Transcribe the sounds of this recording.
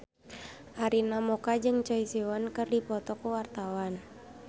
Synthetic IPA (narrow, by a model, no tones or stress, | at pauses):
ʔaɾinamɔkad͡ʒɨŋt͡ʃɔisiwankɨrdipɔt̪ɔkuwart̪awan